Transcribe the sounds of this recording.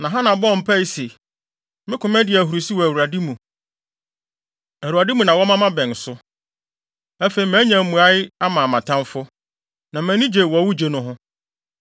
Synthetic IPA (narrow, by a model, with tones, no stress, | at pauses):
nã˨ɦã˦nã˨bɔ˦˨m̩˨pʰa˦i˦se˨ | mɪ̃˦kʰʊ̃˨mɛ̃˦dɪ˨ɛ˨ɦu˨ɾu˨si˦wɔ˨æ˨wu˨a˨di˦mũ˨ | æ˨ɾu˨ɾa˨dɪ˦mũ˨nã˨wɔ˦mã˦mã˦bɛ̃˨n˨sʊ˦ | æ˦fe˨i˨mæ̃ː˨˦ɲãæ̃˨˦mũ˨a˦ɪ˦a˦mã˨mã˨tʰã˦mfʊ˦ | nã˨mæ̃˨˦nĩ˦d͡ʑe˨wɔ˨wu˦d͡ʑe˨nʊ̃˦ɦʊ̃˦